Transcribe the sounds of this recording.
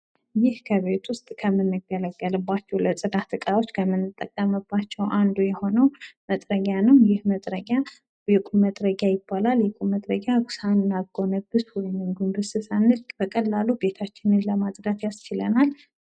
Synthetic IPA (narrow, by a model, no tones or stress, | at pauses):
jɪhkʰəβe̞t̪ʰwʊst̪ʼkʰəmːɨnːɨɡələɡːəlɨbːat͡ʃːɛwləsʼɨd̪at̪ʰɨkʼao̞t͡ʃːkʰəmːɨnːɨt̪ʼːəkʼːəmɨbːat͡ʃːɛwʔand̪ujɛho̞nəwmət̪ʼɾəɡʲanɨmjɪhmət̪ʼɾəɡa | jɛkʼuməd̪ɾəɡjajɪbːalaljɛkʼumət̪ʼɾəɡjaɡsanːaɡo̞nəbɨswɔjɪmɨɡumbɨsɨsanːɨlkʼbəkʼəlːalube̞t̪ʰat͡ʃːɪnɨnləmat̪ʼd̪at̪jast͡ʃɪlə̰nal